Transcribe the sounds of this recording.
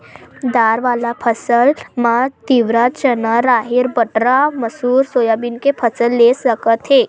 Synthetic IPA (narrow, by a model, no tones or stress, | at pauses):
d̪aːɾʋaːlapʰəsəlmat̪iʋɾat̪̚t͡ʃənaɾaːɦɪɾbəʈɾamɐsuːɾsoːjaːbɪnkepʰəsəlːesəkət̪ɦeː